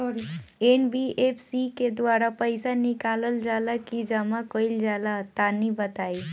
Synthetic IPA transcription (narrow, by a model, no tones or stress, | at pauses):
enbiepʰsiked̪waɾapəɪsanikaləld͡ʒalakid͡ʒəmakəild͡ʒalat̪anibət̪ai